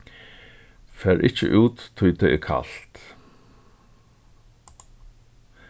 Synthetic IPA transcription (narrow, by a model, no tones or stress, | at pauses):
fɛːɹʔɪt͡ʃə̰ʔuːt̪ʰːʊjt̪ʰɛɛkʰa̰lt̪